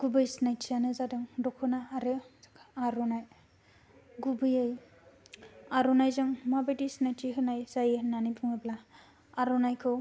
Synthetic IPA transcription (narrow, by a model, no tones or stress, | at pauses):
ɡ̥ubɯjsnajtʰijanɯzadɯŋdɔkʰɯnaːɾɯkʰaɾɔnaj | ɡubɯjɯj | aɾɔnajzɯŋmabajdisnajtʰiɦɯnajzajɯnanipʰuŋɯbla | aɾɔnajkʰɯw